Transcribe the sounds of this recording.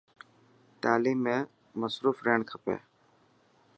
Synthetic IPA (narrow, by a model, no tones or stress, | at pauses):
ʈaːliːmːẽː | məsɾuːfɾeːɳkʰəpḛː